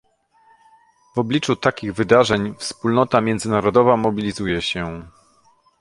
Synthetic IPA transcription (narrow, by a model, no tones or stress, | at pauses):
vɔblʲit͡ʂut̪akʲiɣvɘd̪aʐɛɲfspulnɔt̪amʲjɛnd̪zɘnaɾɔd̪ɔvamɔbʲilʲizujɛɕɛ